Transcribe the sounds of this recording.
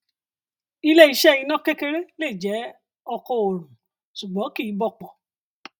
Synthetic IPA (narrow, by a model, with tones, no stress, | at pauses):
i˦˧lɛ˦i˧ʃɛ˦i˧nã˦ke˦ke˦˧ɾe˦le˦˨d͡ʒɛ˨˦ | ɔ˧kɔ˧o˨ɾũ˨ | ʃu˨ɡ͡bɔ̃˨˦ki˦˨i˨˦bɔ˦˨k͡pɔ˨